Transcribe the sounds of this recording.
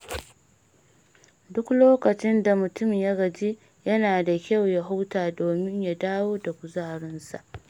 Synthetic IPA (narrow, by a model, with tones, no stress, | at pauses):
dʊ˦kloː˦kɐ˨t͡ʃɪ˦nda˨mʊ˨tʊ˦mjɐ˦ɡɐ˨d͡ʒi˦ | jɐ˦naː˨da˨kʲa˦˨wja˦ɦa˦wtaː˨doː˨mɪ˦ɲja˨daː˦woː˦da˨kʷʊ˨zaː˦˨ɽɪ˦nsa̰˨ʔ